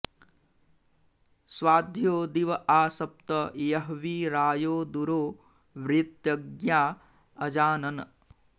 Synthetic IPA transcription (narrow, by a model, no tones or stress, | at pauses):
sʋaːd̪ʱjoːd̪iʋɐʔaːsɐp̚t̪ɐjɐɦʋiɾaːjoːd̪uɾoː | ʋɾit̪jɐɡjaː | ɐd͡ʒaːnɐn